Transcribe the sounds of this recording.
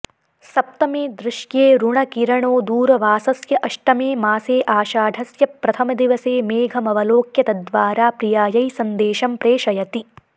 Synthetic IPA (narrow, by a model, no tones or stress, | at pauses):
sɐp̚t̪ɐmeːd̪ɾɪʃjeːɾuɳɐkiɾɐɳoːd̪uːɾɐʋaːsɐsjɐʔɐʂʈɐmeːmaːseːʔaːʃaːɖ̪ʱɐsjɐpːɾɐt̪ʰɐmɐd̪iʋɐseːmeːɡʱɐmɐʋɐloːkjɐt̪ɐd̪ʋaːɾaːpɾijaːjɐjsɐnd̪eːʃɐmpɾeːʃɐjɐt̪i